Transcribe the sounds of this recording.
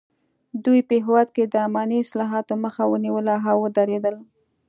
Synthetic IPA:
d̪ujpəɦɪwɑd̪̚ked̪əamɑniɪslɑɦɑt̪oməxawəniwəlaɦawəd̪aɾed̪əl

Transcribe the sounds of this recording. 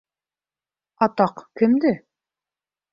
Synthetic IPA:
ɑt̪ɑqkɘmd̪ɘ

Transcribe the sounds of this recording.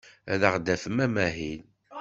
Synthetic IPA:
æðəʁd̪æfəmæmæɦin

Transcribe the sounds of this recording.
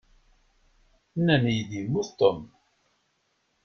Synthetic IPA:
nːænjəðimːuθt̪əm

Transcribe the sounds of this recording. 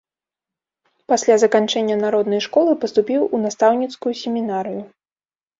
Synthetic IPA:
pasʲlʲazɐkant͡ʂɛnʲːɐnaɾɔd̪nɐjʂkɔlˠɨpɐst̪upʲiwunast̪awnʲit̪skujusʲemʲinaɾɨju

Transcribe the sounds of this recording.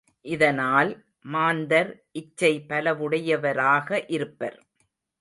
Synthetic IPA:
ʔɪðɐnaːl | maːnd̪ɐɾʔɪt͡ʃːɐɪpɐlɐʋɯɽɐjɐʋɐɾaːɣɐʔɪɾɯpːɐ̰ɾ

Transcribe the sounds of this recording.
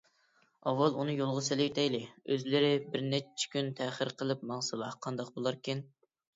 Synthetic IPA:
ɑwːɑlˠunɨjolˠʁʊsɪlɪt̪ʰɛjlɪøzlɪɾɪbɪɾnɛt͡ʃʰːi̥kʲynt̪ʰɛχəɾqʰəlˠɨpmɑŋsɨlˠɑhqʰɑnd̪ɑqbolˠɑɾkʲin

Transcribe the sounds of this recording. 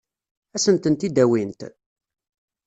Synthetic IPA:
æsənt̪ənt̪id̪æwint̪

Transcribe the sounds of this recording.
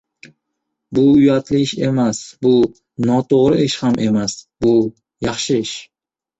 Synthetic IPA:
bʊʊjat̪ʰlɪɪʃe̞masbʊ | nɒt̪ʰoʁɾɪɪʃhamʔe̞masbʊ | jɑχʃɪɪʃ

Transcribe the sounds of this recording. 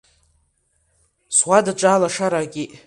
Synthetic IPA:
swadaʈ͡ʂʼaːlaʂaɾaɡʲiʔ

